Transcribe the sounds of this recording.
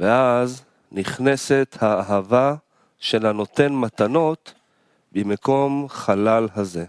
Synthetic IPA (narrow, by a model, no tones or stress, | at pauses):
veaz | niχne̞set̪haːɦava | ʃelano̞t̪e̞nmat̪ano̞t̪ | bimeko̞mχalalɦaze̞